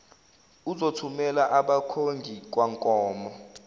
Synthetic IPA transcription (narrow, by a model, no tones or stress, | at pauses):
uzotʰumɛlaʔaɓakʰoŋɡʱik̬waŋkʼɔːmɔ